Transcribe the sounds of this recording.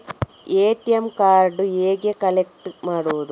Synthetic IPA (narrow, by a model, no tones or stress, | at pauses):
eːʈijemkaːɾɖueːɡekɐlek̚ʈmaːɽuʋɐðu